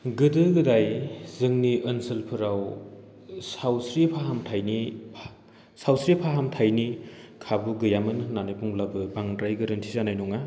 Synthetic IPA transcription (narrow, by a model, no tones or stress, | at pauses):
ɡɯdɯɡɯdajzɯŋniʔɯnsɯlpʰɯɾaw | sawsɾipʰaɦamtʰajnipʰ | sawsɾipʰaɦamtʰajnikʰabuɡɯjamɯnnːanɯjpuŋlabɯbaŋtɾajɡɯɾɯntʰizanajnuŋa